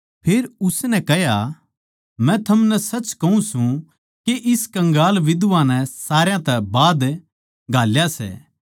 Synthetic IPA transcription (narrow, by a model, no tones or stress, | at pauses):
pʰeːɾʊsnɛkɛɦja | mɛ̃t̪ʰɐmnɛsɐt͡ʃkɐũsũ | keʔɪskɐ̃ŋɡaːlʋɪd̪ʋãnɛ̃saːɾjãt̪ɛbaːd̪ | ɡʱaːljasɛ̰ː